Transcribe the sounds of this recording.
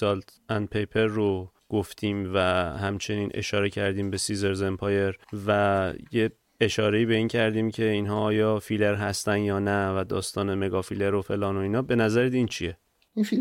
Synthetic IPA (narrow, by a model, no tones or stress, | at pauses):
sɒlt̪æn̚pʰe̞jpʰe̞ɾːo | ɡ̥oft̪ʰiːmvæhæmt͡ʃʰe̞niːnʔe̞̰ʃɒːɾe̞cʰæɾd̪iːmbe̞size̞ɾzempʰɒːje̞ɾvæje̞ | eʃɒːɾe̞iːbe̞iːncʰæɾd̪iːmcʲʰe̞iːnɦɒːɒːjɒːfile̞ɾɦæst̪ænd̪jɒːnævæd̪ɒːst̪ɒːne̞me̞ɡɒːfile̞ɾo̞fe̞lɒːno̞iːnɒːbe̞næzæɾet̪iːnt͡ʃʰije̞